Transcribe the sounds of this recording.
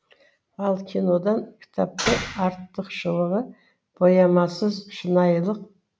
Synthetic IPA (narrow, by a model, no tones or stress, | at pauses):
ɑlˠkʲʰino̞d̪ɑnkʲʰɪ̥t̪ʰɑp̚t̪əɑɾt̪ːəqʃəwəʁə | b̥ojɑmɑsəzʃənɑjlˠəq̚